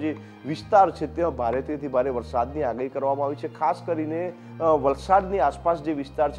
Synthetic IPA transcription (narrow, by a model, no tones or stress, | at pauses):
d͡ʒe | ʋɪst̪aɾt͡ʃʰet̪jãbʱaɾet̪ʰit̪ʰibʱaɾeʋəɾsad̪niaɡaikəɾʋamãaʋit͡ʃʰekʰaskəɾine | ʋəlsad̪niaspasd͡ʒeʋɪst̪aɾt͡ʃʰ